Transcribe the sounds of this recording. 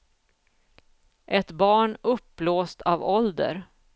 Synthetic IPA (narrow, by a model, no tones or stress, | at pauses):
ʔɛt̪bɑːɳɵpːloːst̪ʰavɔld̪ə̰ɾ